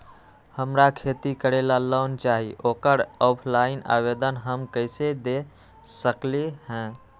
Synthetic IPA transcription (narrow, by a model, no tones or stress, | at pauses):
həmɾakʰet̪ikəɾelaləʊnt͡ʃaɦiʔoːkəɾɔpʰlaina̰bed̪ənɦəmkəɪsed̪e | səkleɦɛ̃